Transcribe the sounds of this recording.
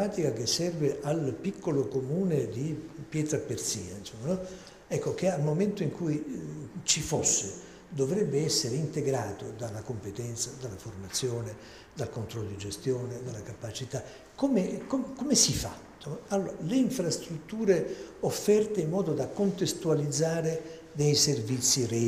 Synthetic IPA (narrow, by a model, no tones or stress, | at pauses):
aːt̪ikakesːɛrveʔalpikʰːolokomuːned̪ipjɛːt̪ɾapersiːnainsomːanɔ | ɛkːokealmoment̪oiŋkujt͡ʃifosːe | d̪ovɾɛbːeɛsːeɾeint̪eɡɾaːt̪od̪alːakompet̪ɛnt̪sad̪alːaformat̪sːjoːne | d̪alkont̪ɾɔlːod̪id͡ʒest̪joːned̪alːakapat͡ʃit̪a | komekomkomesifa̰t̪ːoalːoːɾaleiɱfɾast̪ɾut̪ːuːɾeofːɛrt̪eimːɔːd̪od̪akont̪est̪ualid̪zːaːɾe | d̪ejservit̪sːiɾe